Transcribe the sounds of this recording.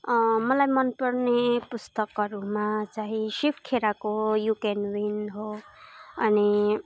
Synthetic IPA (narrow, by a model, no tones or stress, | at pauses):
ʌmʌlajmʌnpʌrnepust̪ʌkʌɾumat͡saɦĩsipʰkʰeɾakoɦjukenwinɦo | ʌni